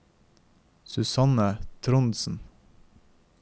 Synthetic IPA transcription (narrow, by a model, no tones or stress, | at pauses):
sʉsɑnət̪ʰɾʊnsn̩